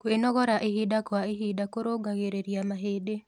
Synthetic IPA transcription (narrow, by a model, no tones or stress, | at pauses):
kwenɔɣɔɾaʔihidakwaiɦidakoɾoɡaɣeɾeɾjamaɦede